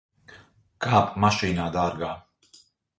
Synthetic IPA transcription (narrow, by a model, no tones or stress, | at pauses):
kʰaːpʰʼmaʃinad̪aːɾɡa